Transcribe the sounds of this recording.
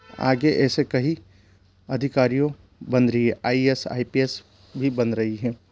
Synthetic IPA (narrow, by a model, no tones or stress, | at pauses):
a̰ːɡeʔɛːsekɐɦi | ɐd̪ʱɪkaːɾijõ | bɐ̃nɾəɦiɦɛʔaːiesa̰ːipies | bʱibɐnɾɐɦiɦɛ̃ː